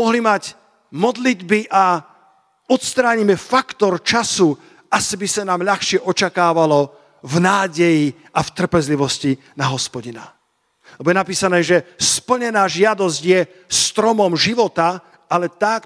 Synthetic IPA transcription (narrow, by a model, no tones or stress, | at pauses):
ɔɦlimac | mɔd̪lid̪biʔa | ɔt̪st̪ɾaːɲimɛfakt̪ɔɾt͡ʃasu | asibisanaːmʎaxʃɪɛʔɔt͡ʃakaːʋalɔ | vnaːɟɛji | aft̪r̩pɛzliʋɔsci | naɦɔspɔɟina̰ | lɛbɔjɛnapiːsanɛːʒɛspl̩ɲɛnaːʒɪad̪ɔzɟjɛ | st̪ɾɔmɔmʒiʋɔt̪a | alɛt̪ak